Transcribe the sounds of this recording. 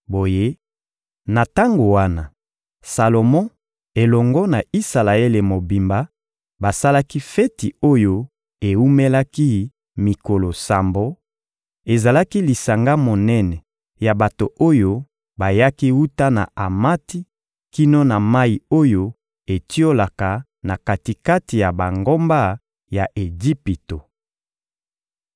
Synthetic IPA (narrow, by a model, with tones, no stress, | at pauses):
bo˨je˦ | na˨ta˦ŋɡo˨wa˦na̰˨ | sa˨lo˨mɔ̃˦ | e˨lɔ˨ŋɡɔ˦na˨i˦sa˨la˨e˦le˨mo˨bi˨mba˦ | ba˨sa˦la˦ki˦fɛ˦ti˨o˦jo˦ | e˨wu˦me˦la˦ki˦ | mi˨ko˨lo˨sa˨mbo˦ | e˨za˨la˦ki˦li˨sa˨ŋɡa˦mo˨nɛ˦nɛ˨ | ja˨ba˨to˨ʔo˦jo˦ | ba˨ja˦ki˦wu˦ta˦na̰˨a˨ma˦ti˦ | ki˦no˦na˨ma˦i˨o˦jo˦ | e˨ti˦o˦la˨ka˨ | na˨ka˨ti˨ka˦ti˨ja˨ba˨ŋɡo˦mba˦ | ja˨ʔe˨ɡi˦pi˨to˨